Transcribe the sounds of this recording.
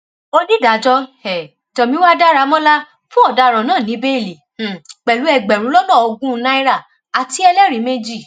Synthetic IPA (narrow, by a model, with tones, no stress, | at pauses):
o˦di˦˨da˨˦d͡ʒɔ˦ɛ˨ | tɔ̃˨mĩ˧˦wa˦da˦ɾa˨˧˦mɔ̃˦la˦ | fũ˦ɔ˦˨da˨˧˨ɾ̃ã˨nãː˦˨nĩ˨˦be˦i˦˨li˨ | k͡pɛ˨lu˨˦ɛ˧˨ɡ͡bɛ˨ɾ̃ũ˨˦lɔ˦lɔ̃˦˨o˧ɡũ˦˧nã˦i˦ɾa˦˨ | a˨ti˧˦ɛ˧lɛ˦ɾi˨˦me˦d͡ʒi˦˨